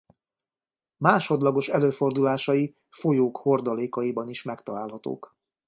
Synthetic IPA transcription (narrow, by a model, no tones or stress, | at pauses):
maːʃo̞d̪lɒɡo̞ʃɛløːfo̞rd̪ulaːʃɒji | fo̞joːkho̞rd̪ɒleːkɒjibɒniʃmɛkt̪ɒlaːlɦɒt̪o̰ːk